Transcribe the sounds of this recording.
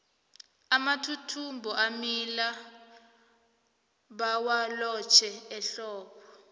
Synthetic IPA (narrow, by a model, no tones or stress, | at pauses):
amatʰutʰumbʱɔʔamila | ɓawalɔt͡ʃʰɛɛɬɔːɓʰɔ